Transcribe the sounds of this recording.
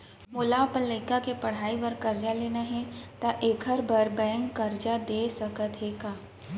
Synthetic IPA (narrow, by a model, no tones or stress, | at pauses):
mʊːlapələɪkakepɐɽ̤aːiʋəɾkɐɾd͡ʒaleːnaɦɛ̃t̪aʔeːkʰəɾbʱəɾbɛ̃ːŋkːɐɾd͡ʒad̪eːsɐkət̪ɦeːɡaː